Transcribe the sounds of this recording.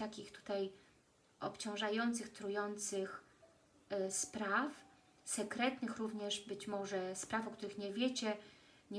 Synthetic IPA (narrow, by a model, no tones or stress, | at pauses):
t̪akʲixt̪u̥t̪aj | ɔpt͡ɕɔ̃w̃ʐajɔnt̪sɘxt̪ɾujɔnt̪sɘx | spɾaf | sɛkɾɛt̪nɘxɾuvɲɛʐbɘt͡ɕmɔʐɛspɾafɔkt̪uɾɘxɲɛvʲjet͡ɕɛ | ɲ